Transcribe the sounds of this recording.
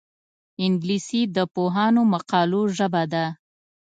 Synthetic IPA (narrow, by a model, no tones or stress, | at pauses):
ɪŋɡlisid̪əpoɦɑnomaqɑloʒəbad̪a